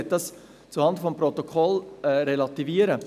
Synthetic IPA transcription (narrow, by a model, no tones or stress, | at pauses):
t̚d̥ɑs | t͡suhɑndəfɔmprɔt̪okʰɔlɛɾelɑt̪iviəɾə